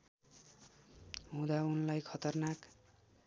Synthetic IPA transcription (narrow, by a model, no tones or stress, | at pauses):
ɦũd̪aunlajkʰʌt̪ʌrnak